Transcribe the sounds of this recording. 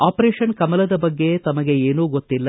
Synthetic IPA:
aːpɐɾeːʂɐnkɐmɐlɐd̪ɐbɐɡːe̞t̪ɐmɐɡe̞eːnuːɡot̪ːilːɐ

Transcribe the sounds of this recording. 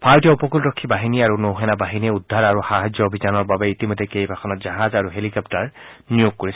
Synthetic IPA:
pʰaɹtijɔupɔkultɔkʰːibaɦiniaɹunowɦɛnabaɦiniɛudʱːaɹaɹuxaɦad͡ʒjɔobʱizanɔɹbabɛitimɔjdɛkejbʱakʰɔnɔtzaɦazaɹuɦelikɔp̚taɹnijokːoɹis

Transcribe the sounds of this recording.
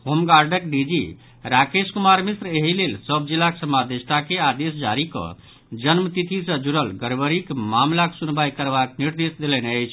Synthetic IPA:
homɡaɾɖəkɖid͡ʒi | ɾakeskumaɾmisɾeɦilelsəb̚d͡ʒilːaksəmad̪est̪akead̪esd͡ʒaɾikə̰̃ | d͡ʒənmət̪it̪ʰisə̃d͡ʒuɾəlɡəɾbəɾikmamlaksunbajkəɾbakniɾd̪esd̪elɛneəjt͡ʃʰ

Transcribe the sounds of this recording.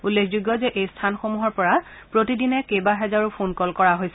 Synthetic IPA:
ulːexʰzuɡjɔzɛʔejstʰanxomuɦɔɹpɔɹa | pɹotidinɛkejbaɦɛzaɹupʰonkɔlkɔɹaɦojsɛ

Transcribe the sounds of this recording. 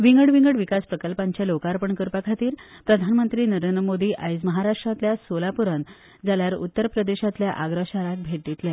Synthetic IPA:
ʋiŋɡəɽʋiŋɡəɽʋikaspɾəkəlpaɲt͡ɕjalokaɾpəɳkəɾpəkʰat̪iːɾpɾəd̪ʱanmənt̪ɾiːnəɾend̪ɾəmod̪iːʔajd͡zməɦaɾaʂʈɾat̪ljasolapuɾən | d͡zaljaɾṵt̪ːəɾpɾəd̪eɕat̪ljaʔaɡɾəɕaɾak̪̚bʱeʈːit̪lja

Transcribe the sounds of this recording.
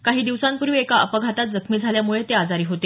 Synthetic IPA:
kaɦiːd̪iʋsãmpuɾʋiːekaəpəɡʱat̪at̪̚d͡zəkʰmiːd͡zʱaljamuɭet̪ead͡zaɾiːɦot̪e

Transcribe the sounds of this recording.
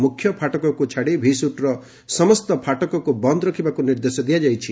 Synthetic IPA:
mukʰjɔpʰaʈɔkɔkut͡ʃʰaɽebʱisuʈɾɔ | sɔmɔst̪ɔpʰaʈɔkɔkubɔnd̪ɔɾɔkʰibakuniɾd̪esɔd̪ijad͡ʒajt͡ʃʰi

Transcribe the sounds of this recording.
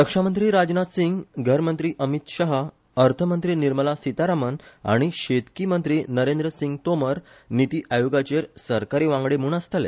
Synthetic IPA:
ɾəkʂamənt̪ɾiːɾad͡znat̪siŋɡɡʱəɾmənt̪ɾiːʔəmit̪ɕəɦ | əɾt̪ʰəmənt̪ɾiːniɾməlasit̪aɾaməna̰ɽ̃iɕet̪kimənt̪ɾiːnəɾẽnd̪ɾəsĩŋɡ̚t̪oməɾ | nit̪iːʔajoɡat͡ɕeɾsəɾkaɾiːʋãŋɡɽemuːɳəst̪əlḛ

